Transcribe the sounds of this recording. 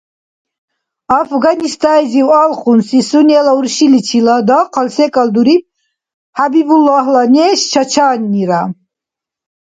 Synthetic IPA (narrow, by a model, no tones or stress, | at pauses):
afɡanist̪ʰʼajziwalχunsisunɛlauɾʃilit͡ʃʰilad̪ɔqʰalsɛkʼald̪uɾip̚ | habibulːaɦlanɛʃt͡ʃʰat͡ʃʰaːnːiɾa